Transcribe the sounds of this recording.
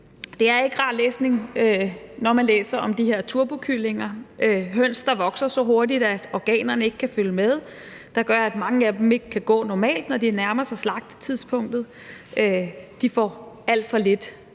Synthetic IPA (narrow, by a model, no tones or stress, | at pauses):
d̥e̝æɐe̝ɡ̥ʁɑ̰̥̈ːlḛːsne̝ŋønɒmænlḛːsɐʔɒ̽md̥ihe̝ɐ̰t͡sʰuɐb̥okʰyle̝ŋɐøɦøn̰sd̥ɑ̈ʋɒ̽ɡ̥sɐsɒ̽ɦo̝ɐdid̥æɒɡ̥ɛ̰ːnɐnəe̝ɡ̥kʰæføləmeð̞ˠ | d̥ɑ̈ɡ̥ɶɐæd̥mɑ̈ŋəæd̥eme̝ɡ̥əkʰæɡ̥ɔ̰̽ːnɒmɛ̰ːld̥nɒdiæɐnæɐmɐsɑslɑ̈ɡ̥̚d̥t͡sʰiðˠspʰɔ̽ŋ̰d̥ð̩ˠ | ød̥ifɒ̰æl̰d̥fɒ̽le̝d̥